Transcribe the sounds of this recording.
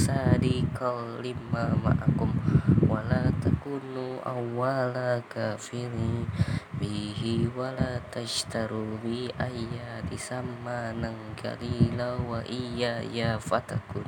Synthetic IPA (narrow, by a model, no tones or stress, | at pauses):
sadikʰɔlːimːama̰ʔakumwalat̪akunuʔa̰wːalakafiɾibiɦiwalat̪aʃt̪aɾubiʔajadisamːanaŋɡa̰lilawaʔijajafat̪akun